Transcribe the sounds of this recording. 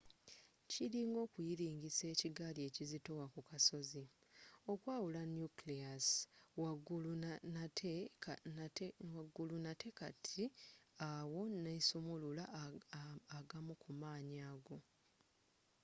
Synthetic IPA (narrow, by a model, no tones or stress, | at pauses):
ciɾiːŋɡo̞ːkujiɾiːŋɡise̞ːciɡalie̞cizito̞wakukaso̞zi | o̞kwaːwulanjukliaswaɡulʰ | e | waɡulunate̞katʰiawo̞nesumululaː | ɡamukumaːɲaːɡo̞